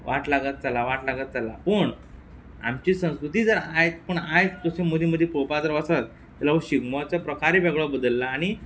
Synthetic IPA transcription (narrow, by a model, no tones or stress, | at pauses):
ʋaʈlaɡət̪̚t͡salaʋaʈlaɡət̪t͡salapəɳ | a̰mt͡ɕiːsə̃w̃skɾut̪iːd͡zəɾaɦet̪̚pəɳaɦjet̪t̪əsemod̪ʱiməd̪ʱjepɾopad͡zəɾʋəsʋat̪ | t̪ːɛlaʋəɕiɡmɔt͡sapɾəkʰaɾiʋeɡɭɔbəd̪əlːaːɽ̃i